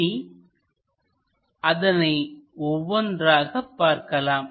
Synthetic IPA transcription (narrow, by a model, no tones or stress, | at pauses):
i | ɐðɐnɐɪɔʋːɔndɾaːɣɐpːaːɾkɐlaːm